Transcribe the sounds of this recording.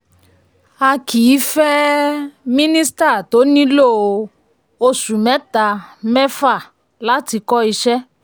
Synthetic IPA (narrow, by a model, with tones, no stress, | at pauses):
a˧kʰi˨i˨˦fɛ˦ | mĩ˦nĩ˦st̪a˦˨t̪o˦nĩ˦lo˦˨o˨ | o˦su˨mɛ̃˨˦t̪a˨mɛ̃˦fa˦˨ | la˦ti˧kɔ˦i˧ʃɛ˦